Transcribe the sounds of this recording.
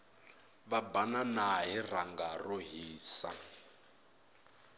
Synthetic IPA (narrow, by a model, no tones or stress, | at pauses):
βabananaɦir̤aŋɡaroɦiːsa̰